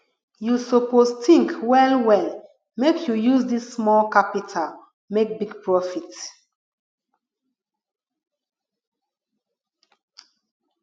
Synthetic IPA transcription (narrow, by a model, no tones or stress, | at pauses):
jusopostĩŋkwɛlwɛl | mekjujuzdisːmɔlkapitʰal | mek̚biɡpʰɹɔfit